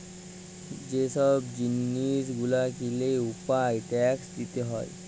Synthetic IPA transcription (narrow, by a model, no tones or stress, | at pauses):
d͡ʑesəbd͡ʑinːiːsɡulakileupajʈɛksd̪it̪eɦɔ̰j